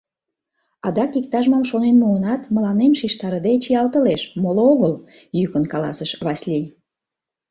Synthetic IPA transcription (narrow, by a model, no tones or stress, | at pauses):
ɑd̪ɑkik̚t̪ɑʒmɑmʃonenmuənɑt̪məlɑnemʃiʃt̪ɑɾəd̪et͡ɕijɑlt̪əleʃmolooɣəl | jykənkɑlɑ̰səʃβɑsʲlʲij